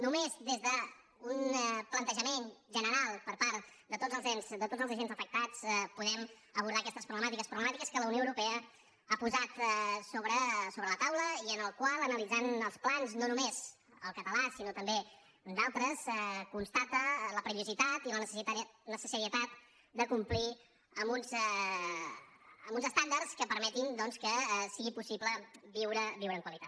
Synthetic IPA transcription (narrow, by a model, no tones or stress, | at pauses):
numezd̪ezðə | unplənt̪əʒəmenʒənəɾalˠpəɾpaɾt̪d̪ət̪od͡zəlˠzenzd̪ət̪od͡zəlˠzəʒenzəfək̚t̪at͡spuðɛm | əβuɾðaəkɛst̪əspɾuβləmat̪ikəspɾuβləmat̪ikəskələwnioəwɾupɛə | apuzat̪soβɾəsoβɾələt̪awləiənəlˠkwalˠənəlid͡zanəlˠsplanznonumez | əlˠkət̪əlasinot̪əmbe | ənzalˠt̪ɾəsɛkunst̪at̪ələpɾəiuzit̪at̪ilənəsnəsəsəɾiət̪at̪̚ | d̪əkumpli | əmbunzɛ | əmbunzəst̪and̪ərskəpəɾmɛt̪ind̪ɔnskəsiɣipusipləbiwɾəbiwɾəːŋkwəlit̪at̪